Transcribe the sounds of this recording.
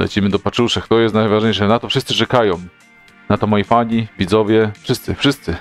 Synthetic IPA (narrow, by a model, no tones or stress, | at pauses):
lɛ̰t͡ɕimɘd̪ɔpat͡ʂuʂɛkt̪ɔjɛst̪najvaʐɲejʂɛnat̪ɔfʂɘst̪sɘt͡ʂɛkajɔ̃w̃ | nat̪ɔmɔjipaɲivʲid̪zɔvʲjɛfʂɘst̪sɘfʂɘst̪sɘ